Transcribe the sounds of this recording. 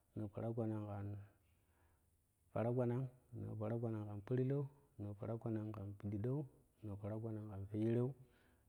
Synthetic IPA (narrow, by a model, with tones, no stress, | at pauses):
no˨fa̰˨ɾa˦ɡʷa˨na˨ŋka˨n | fa̰˨ɾa˦ɡʷa˨na˦ŋno̰˨pa˨ɾa˦ɡʷa˨na˨ŋka˨npi˦ɾi˦lo˦u˦ | no˨fa˨ɾa˦ɡʷa˦na˨ŋka˨npi˨di˨do˦u˦ | no˨fa˨ɾa˦ɡʷa˦na˨ŋka˨nfe˦ji˦ɾe˦u˦